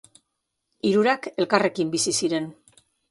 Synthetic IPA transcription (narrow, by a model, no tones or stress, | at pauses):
iɾuɾake̞lkare̞kimbisisiɾe̞n